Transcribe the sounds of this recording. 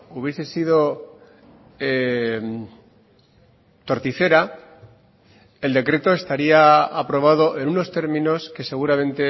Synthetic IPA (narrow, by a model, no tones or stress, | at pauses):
uβje̞se̞sið̞o̞ | em | t̪o̞ɾt̪iθe̞ɾa | eld̪e̞kɾe̞t̪o̞e̞st̪aɾiaapɾo̞βaðo̞ʔe̞nuno̞st̪e̞ɾmĩno̞ske̞se̞ɣ̞uɾamẽ̞nt̪e̞